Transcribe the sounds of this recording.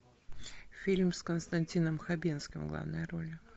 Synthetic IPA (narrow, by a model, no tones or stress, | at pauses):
fʲilʲmskənst̪ɐnʲtʲinəmxɐbʲinskʲɪmɡlˠa̰vnəjəɾo̞lʲ